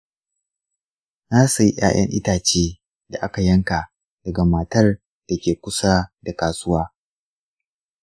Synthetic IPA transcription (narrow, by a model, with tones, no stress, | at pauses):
naː˦su˨ji˦ʔʲj̰a̰ː˦j̰ʔɐ̰˦ŋʔɪ̰˦taː˨t͡ʃeː˦ | da˨ʔa˦ka˨jɐ˦ŋka˨ | d̥ɐ˨ɡa˨maː˨tɐ˦r | d̥a˨kʲeː˨kʷʊ˦sa˦da˨kaː˨sʊ˦waː˦